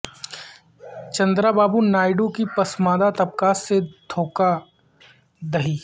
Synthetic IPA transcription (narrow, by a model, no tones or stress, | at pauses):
t͡ʃɐ̃nd̪ɾabaːbunaːɪɖõkipɐsmaːd̪at̪ɐp̚kaːsːed̪ʱʰoːka | d̪ɐɦiː